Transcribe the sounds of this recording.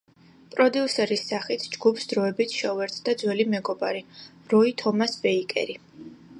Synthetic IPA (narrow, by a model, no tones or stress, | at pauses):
pʼɾɔd̪iusɛɾisːaχit̪ʰd͡ʒɡupʰsd̪̥ɾɔɛbit̪ʰʃɛuɛɾt̪ʰd̪ad̪zwɛlimɛɡɔba̰ɾi | ɾɔit̪ʰɔmasbɛikʼɛ̰ɾi